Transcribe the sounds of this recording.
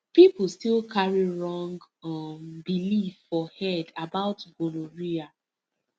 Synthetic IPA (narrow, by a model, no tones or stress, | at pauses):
pipl̩stilkʰaɹiɹɔ̃ŋɡ | ambilifːɔhɛdabaʊtɡoluɹia